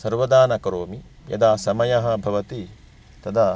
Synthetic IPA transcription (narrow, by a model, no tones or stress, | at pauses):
sɐɾʋɐd̪aːnɐkɐɾoːmi | jɐ̰d̪aːsɐmɐjɐɦɐ̆bʱɐʋɐt̪i | t̪ɐd̪a